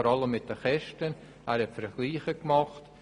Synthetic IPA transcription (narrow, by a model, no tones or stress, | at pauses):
ɔɾɑləmːɪt̚d̥əχɛʃtən | ʔɛːɾhɛtfəɾɡ̥liːχəkmɑχt